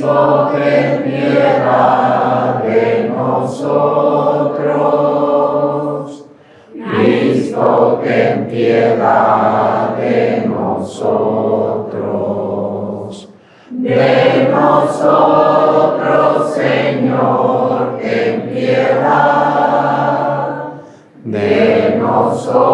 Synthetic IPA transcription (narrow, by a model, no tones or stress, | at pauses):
okɾemjeða | ðenosot̪ɾo | s | kɾist̪okent̪jeða | ðenosot̪ɾo | s | d̪enoso | t̪ɾoseɲoɾkemt̪jeða | d̪enoso